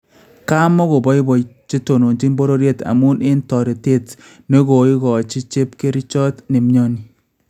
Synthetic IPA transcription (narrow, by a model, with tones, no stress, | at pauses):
ka˦mɔ˦ɣo˨bɔ˦ɪ˦bɔ˨t͡ʃe˦to˨no˨ɲd͡ʒi˦nbo˦ɾo˦ɾje˦ta̰˨mu˦nʔɪ˦ntɔ˨ɾi˨te˦t | ne˦ɡo˨ɪ˦ɣɔ˨t͡ʃi˦t͡ʃe˦p̚ke˦ɾi˦t͡ʃɔ˦tne˨mɲo˦ni˨